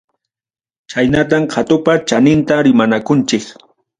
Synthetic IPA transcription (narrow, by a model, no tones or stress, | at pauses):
t͡ʃajnat̪̬amkʰat̪ʊpat͡ʃanɪnt̪aɾɪmanakʊnt͡ʃɪk